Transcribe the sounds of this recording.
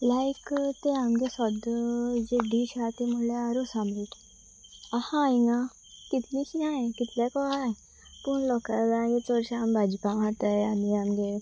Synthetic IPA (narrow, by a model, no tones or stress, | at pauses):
lajkt̪eamɡesɔd̪d͡ʑeɖiɕat̪emuleaɾosãmɾiʈ | ahãːjna | kit̪lĩɕinajkit̪lɛkɔaj | puːɳlɔkalajet͡sɔɾɕambʱad͡ʑikãmɦat̪əjaniamɡe